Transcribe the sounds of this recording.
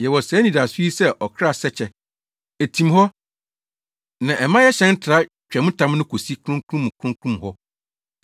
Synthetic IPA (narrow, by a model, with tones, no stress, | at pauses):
jɛ˨wɔ˨sɛː˨˦nĩ˨da˨su˦i˦sɛ˦ʔɔ˨kʰɾa˦˨sɛ˦t͡ɕʰɛ˨ | e˨tʰĩ˨mhɔ˦ | nã˨ʔɛ˨mã˦jɛ˦ɕɛ̃˦n̩˦tʰɾa˦ | t͡ɕᶣɛ˨mʊ̃˦tʰã˦m˦nʊ̃˦kʰo˨si˦kʰũ˦ŋkʰũ˦m̃˨kʰũ˦ŋ˦kʰũ˦m˨hɔ˦